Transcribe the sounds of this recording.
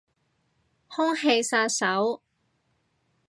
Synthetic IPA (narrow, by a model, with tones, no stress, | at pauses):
hʊ˥ŋhe˧jsaː˧sɐ˨˥w